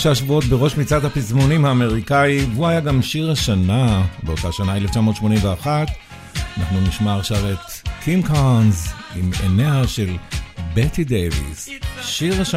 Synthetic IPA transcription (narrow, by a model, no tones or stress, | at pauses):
ʃaaʃvuo̞tbeʁo̞ʃmit͡sadhapizmonimhaːme̞ʁikaivuajaɡamʃiʁhaʃanabeotaʃanaeleft͡ʃamo̞ːt̪ʃmo̞nimveaχat̪ | anaχnuniʃmaːʁʃavetkʰimkanzimḛneaʃe̞lbetidejvḭsʃiʁaʃa